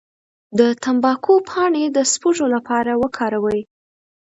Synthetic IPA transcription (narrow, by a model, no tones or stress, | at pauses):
d̪ət̪ambɑkʰopʰɑɳed̪əspuʒolapɑɾawəkʰɑɾawəj